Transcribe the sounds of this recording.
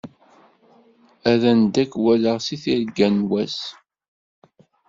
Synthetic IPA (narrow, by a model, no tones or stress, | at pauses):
æðænd̪ækːwæləʁsiθiɾɡænwæs